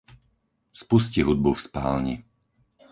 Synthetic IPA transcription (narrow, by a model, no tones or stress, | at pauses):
spus̬ciɦud̪̚bufspa̰ːlɲḭ